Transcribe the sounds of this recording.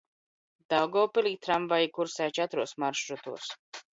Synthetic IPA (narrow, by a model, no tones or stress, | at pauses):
d̪̥alɡɔːpilit̪ʰɾamvajikuɾsɛːt͡ʃat̪ɾuɔsmaɾʃɾut̪ṵːɾs